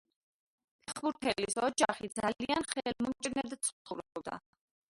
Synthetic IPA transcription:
pʰɛχbuɾt̪ʰɛlisɔd͡ʒaχid̪zalianχɛlmɔmt͡ʃʼɾnɛd̪at̪sʰuɾɔbd̪a̰

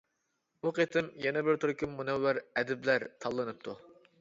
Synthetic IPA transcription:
uqʰet̪ʰɪmjɛnɛbɪɾt̪ʰuɾkʲymːunɛwːæɾɛd̪ɪblæɾt̪ʰɑlˠːɨnɨp̚t̪ʰu

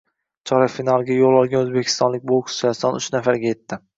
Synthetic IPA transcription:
t͡ʃʰɒɾafinalˠɡʲajolˠɒlˠɡʲanɵzbekʲʰɪ̥st̪ɒnlɪk̚ʲbokʰʊ̥sast̪ɒnʊt͡ʃnafaɾɡʲaje̞t̪ʰːɪ

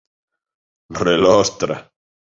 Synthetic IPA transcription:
relost̪ɾa̰

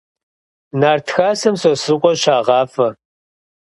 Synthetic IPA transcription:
naːrtʰxaːsɐmsosɨqʷʼɔɕaːʁɑːfɐ

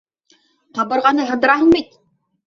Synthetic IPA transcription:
qɑbɤ̆ɾʁɑnɤɦɤ̆nd̪ɤ̆ɾɑɦɤɴbit̪

